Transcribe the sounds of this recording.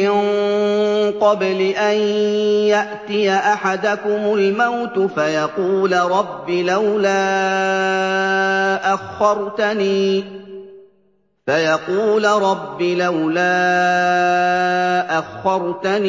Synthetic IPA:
ɪn | qɑblɪʔanjaʔt̪ɪjaʔaħad̪akʊmʊlmawt̪ʊfajɑquːlɾˤɑbːilawlaː | ʔaxːɑɾˤt̪aniː | fajɑquːlɾˤɑbːilawlaː | ʔaxːɑɾˤt̪an

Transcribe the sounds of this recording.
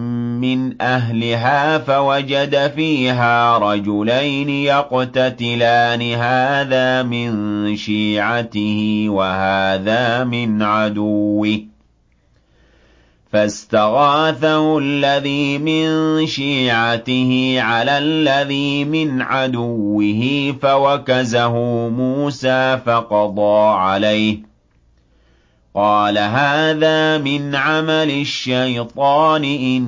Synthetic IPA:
mɪnʔaɦlɪɦaːfawad͡ʒad̪afiːɦaːɾˤɑd͡ʒʊlajnɪjaqt̪at̪ɪlaːnɪɦaːðaːmɪnʃiːʕat̪ɪhɪwahaːðaːmɪnʕad̪ʊwːɪ | fast̪aɣaːθahʊlːaðiːmɪnʃiːʕat̪ɪhɪʕalaːlːaðiːmɪnʕad̪ʊwːɪɦɪfawakazaɦʊmuːsaːfɑqɑd̪ˤɑːʕalajh | qɑːlaɦaːðaːmɪnʕamalɪʃːajt̪ˤɑːnɪʔɪ

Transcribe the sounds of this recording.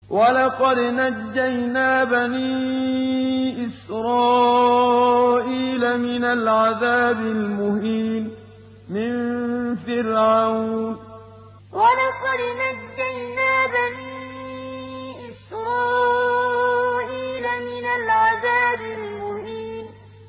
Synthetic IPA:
walɑqɑd̪nad͡ʒːajnaːbaniː | ʔɪsɾɑː | ʔiːlamɪnalʕaðaːbɪlmʊhiːn | mɪnfɪlʕawnn | walaqɑd̪naːajnaːbaniː | ʔɪsɾˤɑː | ʔiːlamɪnalʕaðaːbɪlmʊhiːn

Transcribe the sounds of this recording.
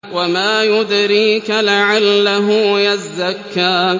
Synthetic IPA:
wamaːjʊd̪ɾiːkalaʕalːaɦʊjazːakːaː

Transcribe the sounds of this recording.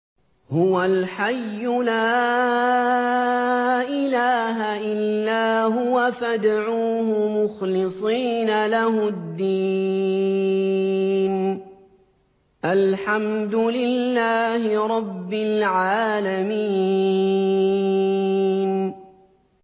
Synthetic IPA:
hʊwalħajːʊlaː | ʔɪlaːɦaʔɪlːaːɦʊwafad̪aʕuːhʊmʊxlɪsˤiːnalahʊd̪ːiː | n | ʔalħamd̪ʊlɪlːaːhɪɾˤɑbːɪlʕaːlamiː | n

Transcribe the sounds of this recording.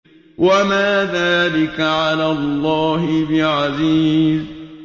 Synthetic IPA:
wamaːðaːlɪkaʕalaːlˤːɑːɦɪbɪʕaziːz

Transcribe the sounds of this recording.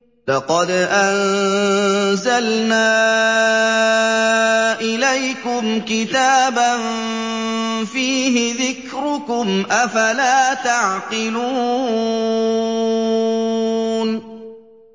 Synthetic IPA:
lɑqɑd̪ʔann | zalnaː | ʔɪlajkʊmkɪt̪aːban | fiːɦɪðɪkɾʊkʊmʔafalaːt̪aʕqɪluː | n

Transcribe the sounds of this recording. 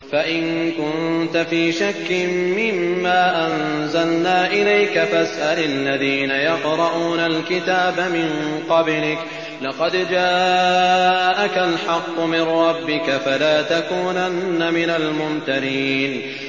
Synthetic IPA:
faʔɪnkʊnt̪afiːʃakːɪmmɪmːaːʔanzalnaːʔɪlajkafasʔalalːaðiːnajɑqɾˤɑʔuuːnalkɪt̪aːbamɪnqɑblɪk | lɑqɑd̪d͡ʒaː | ʔakalħɑqːʊmɪnɾˤɑbːɪkafalaːt̪akuːnanːamɪnalmʊnt̪aɾiːn

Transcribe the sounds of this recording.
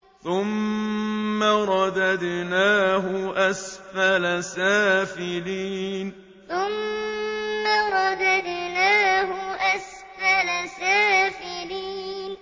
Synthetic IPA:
θʊmː | aɾˤɑd̪ad̪naːɦʊʔasfalasaːfɪliːn | θʊmː | aɾˤɑd̪ad̪naːɦʊʔas | falasaːfɪliːn

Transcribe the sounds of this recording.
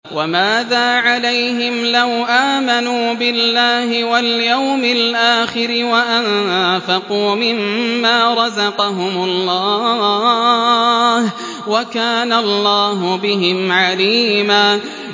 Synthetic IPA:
wamaːðaːʕalajɦɪmlawʔaːmanuːbɪlːaːhɪwaljawmɪlʔaːxɪɾɪwaʔanfɑquːmɪmːaːɾˤɑzɑqɑɦʊmʊllˤːɑː | h | wakaːnalːɑːɦʊbɪɦɪmʕaliːmaː

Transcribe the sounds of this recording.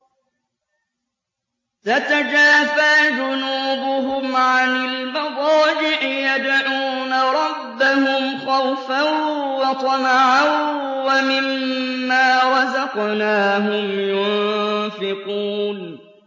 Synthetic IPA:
t̪at̪ad͡ʒaːfaːd͡ʒʊnuːbʊɦʊmʕanɪlmabˤɑːd͡ʒɪʕjad̪ʕuːnaɾˤɑbːahʊmxawfawɑt̪ˤɑnaʕawwamɪmːaːwɑzɑqnaːɦʊmjʊnnfɪquːn

